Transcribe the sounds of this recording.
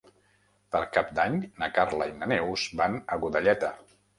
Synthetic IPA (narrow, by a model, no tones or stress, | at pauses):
pəɾkap̚d̪aɲnəkaɾlə̰inənɛwzbanəɣuðəʎɛt̪ə